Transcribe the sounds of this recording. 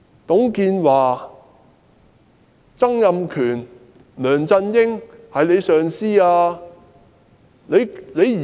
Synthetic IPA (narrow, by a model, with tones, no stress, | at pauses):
t̪ʊ˨˥ŋkiː˧nwaː˨ | t͡sɐ˥ŋjɐ˨˧mkʰyː˨˩n | lœː˨˩ŋt͡sɐ˧njɪ˥ŋhɐ˨jle˨˧jsœː˨ŋsiː˥aː˧ | le˨˧jle˨˧jiː˨